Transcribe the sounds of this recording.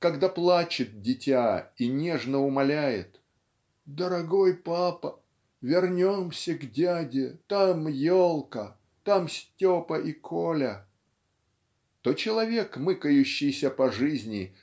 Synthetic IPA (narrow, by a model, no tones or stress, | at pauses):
kɐɡd̪aplˠat͡ɕɪt̪̚dʲɪtʲainʲe̞ʐnəʊmɐlʲæjɪ̰t̪ | d̪əɾɐɡojpapə | vʲɪrnʲomsʲəɡdʲadʲɪt̪amjolˠkə | t̪amsʲtʲopəʔikʰolʲə | t̪ot͡ɕɪlˠɐvʲe̞kmɨkəjʉɕːɪjsʲəpɐʐɨzʲnʲɪ